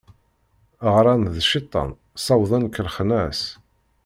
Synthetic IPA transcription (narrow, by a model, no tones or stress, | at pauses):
ʁɾˤænðʃit̪ˤːɑ̰n | sˤɑwðˤənkːəlχnæs